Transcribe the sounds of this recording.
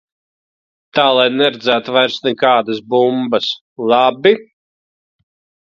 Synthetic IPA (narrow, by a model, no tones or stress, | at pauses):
t̪aːlˠajnɛɾed̪zæːt̪vajɾst̪nɛkaːd̪asbumbas | lˠabi